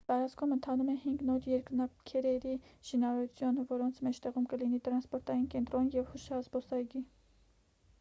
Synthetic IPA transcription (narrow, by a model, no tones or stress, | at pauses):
t̪ɑɾɑt͡skʰumənt̪ʰɑnumɛhiŋɡnɔɾjɛɾknɑkʰɛɾɛɾiʃinɑɾɑɾut͡sʰjunvɔɾɔnt͡sʰmɛt͡ʃʰt̪ɛʁumkəlinit̪ɾɑnspɔɾt̪ɑjinkɛnt̪ɾɔnjɛvhuʃɑzbɔsɑjɡi